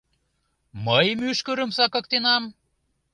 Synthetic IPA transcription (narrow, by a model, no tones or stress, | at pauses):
məjmyʃkə̆ɾə̆msɑkɤ̆k̚t̪enɑm